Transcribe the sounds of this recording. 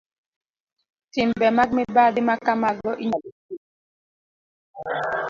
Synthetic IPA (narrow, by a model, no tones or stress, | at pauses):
tɪmbɛmaɡ̚mɛbadimakamaɡlɔʔiɲalisi